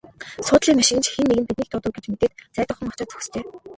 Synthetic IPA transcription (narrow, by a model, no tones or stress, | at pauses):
sʊːt̪ɮiːŋmaʃɪ̆ɣɘ̆nt͡ɕxenːeɣɘ̆npit̪niːkt̪ʰʊt̪ə̆wɡet͡ɕmet̪eːt̪t͡sæːt̪ə̆χə̆ŋḁt͡ɕăːtt͡sɵ̥x̆st̪ʰeː